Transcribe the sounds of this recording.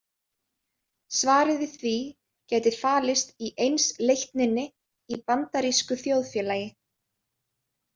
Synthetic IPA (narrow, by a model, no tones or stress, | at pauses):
svaːɾɪðɪθvi | cɛːjt̪ɪð̥faːlɪst̪iʔejnslejht̪nɪnːɪ | ipant̪aɾiskʏθjowðfjɛːlaːjɪ